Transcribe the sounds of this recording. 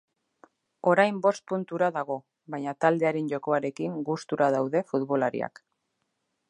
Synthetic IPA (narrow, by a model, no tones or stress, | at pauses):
o̞ɾajmbo̞st̪̚punt̪uɾaðaɣ̞o̞ | βajɲat̪ald̪e̞aɾe̞nʝo̞ko̞aɾe̞kiŋɡust̪uɾað̞awðe̞fut̪βo̞laɾḭa̰k